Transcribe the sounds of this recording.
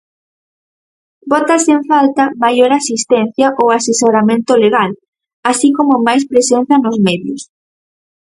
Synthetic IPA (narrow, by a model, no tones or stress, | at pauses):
bɔt̪aseɱfalt̪ɐmajoɾasist̪ɛn̟θjɐʔowasesoɾamẽnt̪ʊleɣal | asikomʊmajspɾesen̟θɐnozmɛðjʊs